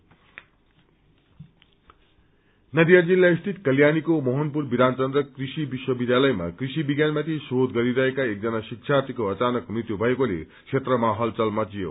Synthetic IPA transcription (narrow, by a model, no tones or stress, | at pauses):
nʌd̪ijʌd͡zilːaist̪ʰit̪kʌljanikomʌɦʌnpurbid̪ant͡sʌnd̪rʌkrisibiswʌbid̪jalʌjma̰krisibiɡjanmat̪ʰisod̪ɡʌɾiɾʌɦekaek̚d͡zʌnasiksʰart̪ikoʌt͡sanʌkmrit̪jubʱʌekolḛksʰet̪rʌmaɦʌlt͡sʌlmʌt͡sijo̰